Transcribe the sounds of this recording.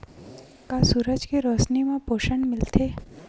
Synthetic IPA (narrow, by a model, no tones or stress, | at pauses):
kasuːɾəd͡ʒkeɾosnimẽpoːʃənmɪlt̪ʰeː